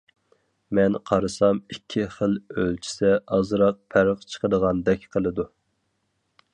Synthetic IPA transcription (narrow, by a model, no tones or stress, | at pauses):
mɛnqʰɑɾɨsɑmikʲʰːiχəlølt͡ʃʰi̥sɛɑzɨɾɑq̚pʰæɾəqt͡ʃʰə̥qəd̪əʁɑnd̪ɛkʲqʰəlˠɨd̪u